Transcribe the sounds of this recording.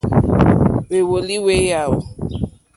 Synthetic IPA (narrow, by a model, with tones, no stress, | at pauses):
we˨wo˨li˦we˦ja˨wʊ̰˨